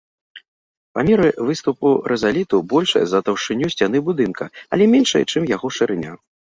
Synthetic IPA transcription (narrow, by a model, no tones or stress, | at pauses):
pamʲɛɾɨvɨst̪upuɾʔɛzalʲit̪ubɔlʲʂɐ̰jɐ̰zɐt̪ɐwʂɨnʲusʲt͡sʲan̪ɨbud̪ɨnkɐɐlʲɛmʲɛnʂɐjɛt͡ʂɨmjaɣɔʂɨɾɨnʲa̰